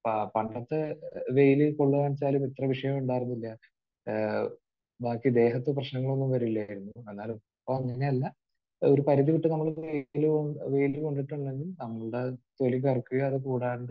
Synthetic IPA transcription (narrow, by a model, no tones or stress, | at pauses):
ppɐɳɖɐt̪ːɨʋejlɨkoɭːuʋaːnt͡ɕːaːlumit̪rɐʋiʂɐjɐmuɳɖaːjiɾunːilːɐ | baːkːid̪e̞ːɦɐt̪ːɨprɐɕnɐŋːɐɭo̞nːumʋɐɾuilːajiɾunːuenːaːlo | pːoɲɐnaɐlːɐ | o̞ɾupɐɾiðiʋiʈːɨnɐmːɐɭʋejlʋe̞jlɨko̞ɳɖiʈːuɳɖe̞ŋɡilnɐmːɐɭɨɽe̞t̪o̞lik̬ɐrkːuɣɐːðɨkuːɽaːɾuɳɖɨ